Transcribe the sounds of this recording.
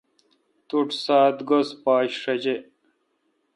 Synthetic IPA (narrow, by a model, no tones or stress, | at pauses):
t̪uʈsaːt̪ɡospaːɕʂɐd͡ʑe